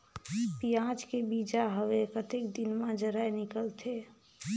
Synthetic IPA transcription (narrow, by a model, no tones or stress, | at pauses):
pijãːd͡ʒkebiːd͡ʒaɦəʋekət̪ekd̪ɪnmãd͡ʒəɾaenɪkəlt̪ʰe